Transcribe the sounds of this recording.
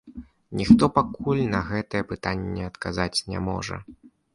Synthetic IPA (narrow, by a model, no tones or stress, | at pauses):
nʲixt̪ɔpakulʲnɐɣɛt̪ɐjɛpɨt̪anʲːɛɐt̪kazat͡sʲnʲɛ̰mɔ̰ʐɐ̰